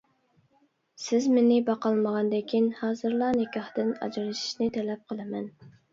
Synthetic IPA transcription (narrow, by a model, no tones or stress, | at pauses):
sɪzmenɪbɑqɑlˠməʁɑnd̪ekʲʰinhɑːzɨɾlˠɑnɪkʲɑχt̪ɨnɑ̰d͡ʒɾɨʃi̥ʃnɪt̪ʰɛlɛp̚qʰəlˠɨmɛn